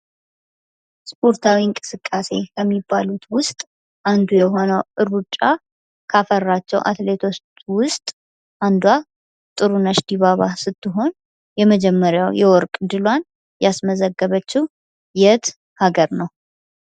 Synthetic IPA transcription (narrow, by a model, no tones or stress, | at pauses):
spʰʼo̞ɾt̪ʰawiɨŋkʼɨsɨkʼːase̞kʰəmːibːalut̪wʊst̪ʼ | ʔand̪ujɛɦo̞nəwʔɨɾut͡ʃʼːa | kʰafərːat͡ʃːɛ̰wʔa̰t̪le̞t̪ʰo̞t͡ʃ | wʊst̪ʼ | ʔand̪wa | t̪ʼɨɾunəʃd̪iβaβasɨt̪ːɨɦo̞n | jɛməd͡ʒɛmːəɾjawjɛwɔɾkʼd̪ɨlwan | jasməzəɡːəβət͡ʃːɪh | jɛt̪ | haɡəɾnəw